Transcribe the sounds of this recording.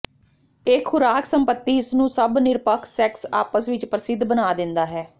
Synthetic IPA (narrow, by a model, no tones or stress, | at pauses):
ɪkʰːʊɾaːksəmpət̪ːiːɪsnũːsəbnɪɾpəkʰsɛːksa̰ːpəsʋɪt͡ʃpɾəsɪd̪ːbənaːd̪ɪnd̪aːɦɛː